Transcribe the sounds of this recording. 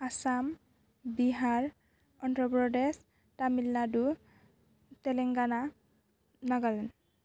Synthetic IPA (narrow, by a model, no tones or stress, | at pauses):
asam | biɦaɹ | ɔntɹɔpɹɔdɛs | tamilnadu | tɛlɛŋɡana | naɡalɛn